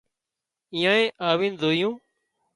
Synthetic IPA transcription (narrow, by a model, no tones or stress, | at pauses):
ĩːãːẽːʔaːʋiːnzoːijũː